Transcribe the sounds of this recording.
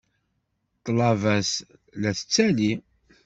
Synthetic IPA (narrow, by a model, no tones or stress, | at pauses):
t̪ˤːlɑvæs | læθət͡sːæli